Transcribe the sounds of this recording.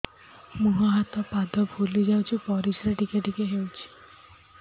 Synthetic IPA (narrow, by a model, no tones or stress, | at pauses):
muɦaɦat̪ɔpad̪ʱɔbʱulid͡ʒawt͡ʃʰipɔɾisɾaʈikeʈikeɦewt͡ʃʰi̥